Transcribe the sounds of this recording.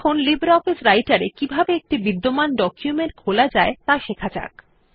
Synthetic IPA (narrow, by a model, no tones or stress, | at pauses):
kʰonlibeɾɔfisɾajʈaɾekibʱabeek̚ʈibid̪ːomanɖɔkjumeɳʈ̚kʰolad͡ʑaet̪aʃekʰat͡ɕa̰k